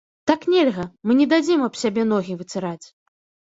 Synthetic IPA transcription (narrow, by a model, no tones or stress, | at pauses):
t̪aknʲɛlʲɣɐmɨnʲɛd̪ad͡zʲɛmɐbsʲabʲɛn̪ɔɣʲivɨt͡s̪ʲɨɾat͡sʲ